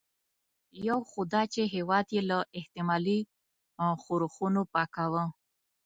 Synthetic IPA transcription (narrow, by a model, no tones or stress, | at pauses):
jawxʊd̪ɑt͡ʃeɦewɑd̪jelaʔɪht̪ɪmɑli | xoɾxunopɑkawə